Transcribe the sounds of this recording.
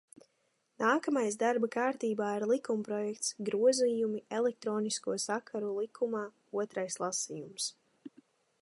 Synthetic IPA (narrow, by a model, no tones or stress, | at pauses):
naːkamajzd̪aɾbakaːɾt̪iːbaːiɾlˠikumpɾɔjɛk̚t̪sɡɾuɔzijumiɛlˠɛk̚t̪ɾɔːniskuɔsakʰaɾulˠikʰumaː | uɔt̪ɾajslˠasijums